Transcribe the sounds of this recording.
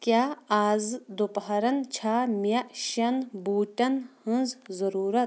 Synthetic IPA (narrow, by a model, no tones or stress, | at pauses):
kʲjaːaːzd̪upɐɦɐɾɐnt͡ʃʰaːmjɐʔʃɐnbuːʈɐnhɨ̃nzzɐɾuːɾɐt̪̚